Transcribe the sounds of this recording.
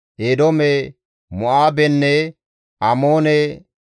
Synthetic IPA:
ʔeːd̪omɛ | mʊʔaːbɛnːɛ | amoːnɛ

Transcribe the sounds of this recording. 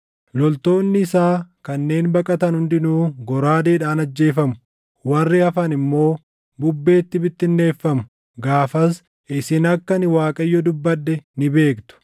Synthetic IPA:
lɔlt̪o̞ːnːɪːsaːkɐnːe̞ːnbɐkʼɐt̪ɐnhʊnd̪ɪnuːɡɔɾaːd̪eːᶑaːnɐd͡ʒːe̞ːfɐmʊ̥ | wɐrːɪɐfɐnɪmːo̞ː | bʊbːe̞ːt̪ːɪbɪt̪ːɪnːe̞ːfːɐmʊ̥ | ɡaːfɐs | ɪsɪnɐkːɐnɪwaːkʼɐjːɔd̪ʊbːɐᶑːɛnɪbe̞ːkt̪ʊ̥

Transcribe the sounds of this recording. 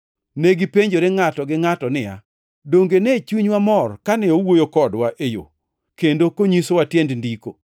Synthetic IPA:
neɡɪpeɲd͡ʒoɾeŋatɔɡɪŋatɔnɪja̰ | doŋɡenɛt͡ʃuɲwamɔrkanɛowojokɔdwaʔejo̰ | kendokoɲisowatjendndiko̰

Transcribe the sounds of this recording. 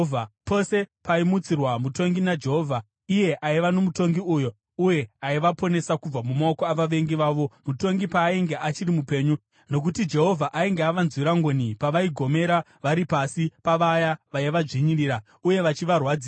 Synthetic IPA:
vʱapo̞se̞paimut͡sirwamuto̞ŋɡinad͡ʒe̞ɦo̞vʱa | ije̞ʔaiʋano̞muto̞ŋɡiujo̞ | uje̞aiʋapo̞ne̞sakub͡vamumaokoaʋaʋe̞ŋɡiʋaːʋo̞muto̞ŋɡipaːiŋɡe̞ʔat͡ʃirimupe̞ːɲu | no̞k̬utid͡ʒe̞ɦo̞vʱaʔaiŋɡeaʋanzwiɾaŋɡonipaʋaiɡʱo̞me̞ɾa | ʋaɾipasipaʋajaʋajiʋaʐiɲiriːɾa | uje̞ʋat͡ʃiʋarwaːd͡ziː

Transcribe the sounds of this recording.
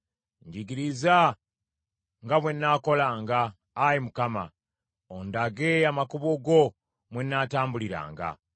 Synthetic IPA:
ɲɟiɡiɾiza | ŋɡaβwe̞nːaːko̞laːŋɡaː | jimukama̰ | ondaɡeamakuβoɡo̞ | mwenːaːtaːmbuliɾa̰ːŋɡa̰

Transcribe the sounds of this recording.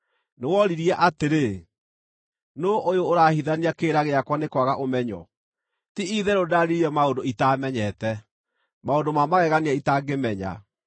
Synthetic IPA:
newɔɾiɾiɛʔateɾe | noʔojoːɾahiðaniakeːɾaɣeakwanekwaɣaʔomɛɲɔ̰ | tiiðɛɾodaɾiɾiɛmaondoitamɛɲɛtɛ | maondomamaɣɛɣaniaitaɡemɛɲa̰

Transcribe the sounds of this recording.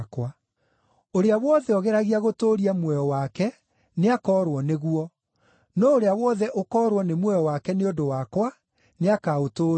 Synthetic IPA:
kwa | oɾeawɔðɛɔɣɛɾaɣiaɣotoːɾiamwɛjɔwakɛ | neakɔːɾwɔneɣwɔ | nɔoɾeawɔðɛʔokɔɾwɔnemwɛjɔwakɛneodowakwa | neakaotoː

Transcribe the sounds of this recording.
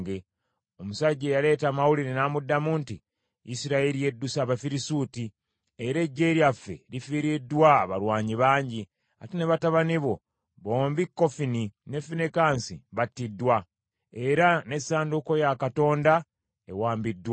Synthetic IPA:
ɡe | omusaɟːejale̞ːtaːmawuliɾinaːmudːamuntḭ | ḭsiɾaelije̞dːusaːβafiɾisuti | eɾe̞ɟːeːɾjafːe̞̰lifiːɾidːwaːβalwaːɲiβaːɲɟi | a̰teneβataβaniβo̞ | βo̞ːmbikːo̞fininefinekaːnsiβatːidːwa | e̞ɾane̞saːnduko̞jakato̞ːnda | ḛwaːmbidːwa

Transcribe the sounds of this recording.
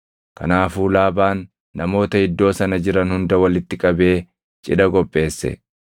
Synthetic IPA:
kɐ̰naːfuːlaːbaːnː | ɐmo̞ːt̪ɐɪd̪ːo̞ːsɐnɐd͡ʒɪɾɐnhʊnd̪ɐwɐlɪt̪ːɪkʼɐbe̞ː | t͡ʃʼɪ̰ᶑɐkʼɔpʼːe̞ːsːɛ̰

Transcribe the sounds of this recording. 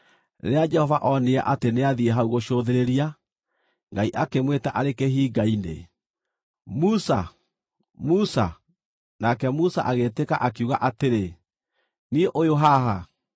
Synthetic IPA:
ɾead͡ʒɛhɔvaʔɔneɛ̰ʔateneaðieɦauɣoʃoðeɾeɾia | ŋɡaiʔakemwetaʔaɾekeɦiːɡainḛ | musa | musa̰ | nakɛmusa̰ʔaɣeteka̰ʔakuɣaʔateɾe | nieʔojoɦaɦa

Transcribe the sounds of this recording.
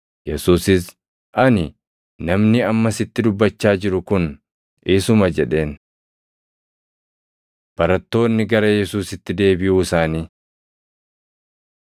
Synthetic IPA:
jɛsuːsɪs | ʔɐnɪ | nɐmnɪɐmːɐsɪt̪ːɪd̪ʊbːɐt͡ʃːaːd͡ʒɪɾʊkʊn | ɪsʊmɐd͡ʒɛᶑe̞ːn | b̥ɐɾɐt̪ːo̞ːnːɪɡɐɾɐjɛsuːsɪt̪ːɪd̪e̞ːbɪjuːɪsaːniː

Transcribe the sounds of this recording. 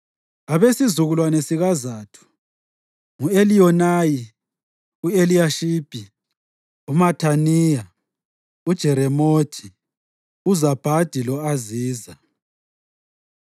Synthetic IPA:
aβesizuɣulwanesiɣazaːtʰu̥ | ŋueliɔnaji | ueliaʃiːb̥ʱi | umatʰanija | ud̥ʒ̥ʱɛɾɛmotʰi | uzab̥ʱad̥ʱilɔaziːza

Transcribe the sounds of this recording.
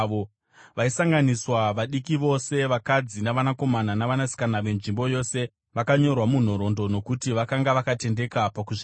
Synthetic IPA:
o | ʋaisaŋɡaniswaʋaɗikiʋo̞se̞ʋakad͡zinaʋanako̞mananaʋanasi̥kanaʋe̞nʐimbo̞jo̞se̞ | ʋakaɲo̞rwamun̤o̞ɾo̞ndo̞no̞kutiʋakaŋɡaʋakate̞nde̞kapakuʐi

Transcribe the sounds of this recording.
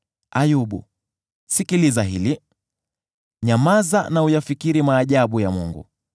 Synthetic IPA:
ajuɓṵ | sikilizaɦḭli | ɲamazanaujafikiɾimaːʄaɓujamṵŋɡṵ

